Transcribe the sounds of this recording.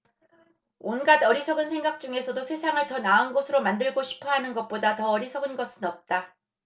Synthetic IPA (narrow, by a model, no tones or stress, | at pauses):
onɡadʌɾisʰʌɡɯnsʰe̞ŋɡak̚t͡ɕ͈uŋe̞sʰʌdosʰe̞sʰaŋɯɭtʌnaunɡʌsʰɯɾomandɯɭɡoɕʰi̥pʰʌɦanɯnɡʌt̚p͈odatʌʌɾisʰʌɡɯnɡʌsʰɯnʌp̚t͈a